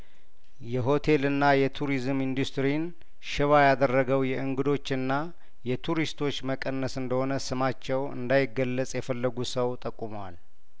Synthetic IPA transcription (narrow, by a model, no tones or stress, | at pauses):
jɛɦo̞t̪ʰe̞lɨnːajɛt̪ʰuɾizɨmind̪ust̪ɾin | ʃɪβajad̪ərːəɡəwjɛʔɨŋɡɨd̪o̞t͡ʃːɨnːa | jɛt̪ʰuɾist̪ʰo̞t͡ʃːməkʼənːəsɨnd̪əho̞nəsɨmat͡ʃːɛwɨ̰nd̪ajɪɡːəlːət͡sʼjɛfəlːəɡusəwt̪ʼəkʼːumwal